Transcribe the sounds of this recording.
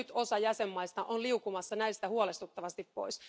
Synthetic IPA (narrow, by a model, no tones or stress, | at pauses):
yt̪o̞sɑjæsemːɑist̪ɑʔoliukumɑsːɑnæist̪æhuole̞st̪ut̪ːɑʋɑst̪ippo̞̰is